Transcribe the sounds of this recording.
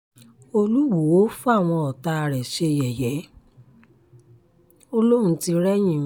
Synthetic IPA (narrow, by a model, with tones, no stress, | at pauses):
o˧lu˦wo˨wo˨˦fu˦a˦˨w̃ɔ̃˧ɔ˨ta˧˨ɾɛ˨ʃe˧˨jɛ˨jɛ˨˦ | o˧lo˦ɾ̃ũ˨˧˦ti˧ɾɛ˦j̃ĩ˦˨